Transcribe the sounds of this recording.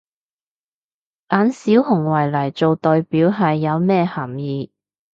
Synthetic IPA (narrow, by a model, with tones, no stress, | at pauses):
ʔaː˨˧˥nsiː˨˥whʊ˨˩ŋwɐ˨˩jlɐ˨˩jt͡so˨˧wt̪ɔː˨jpiː˨˥wɦɐ˨jːɐ˨˧wmɛː˥hɐ˨˩mjiː˨˧